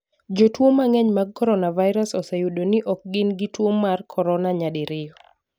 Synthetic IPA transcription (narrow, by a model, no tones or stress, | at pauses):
d͡ʒotwomaŋɛɲmaɡ̚kːɔɾɔnavaɪɾasɔsɛjudonɪʔɔk̚ɡɪnɡɪtwomːarkʰɔɾɔnaɲadɪɾɪjɔ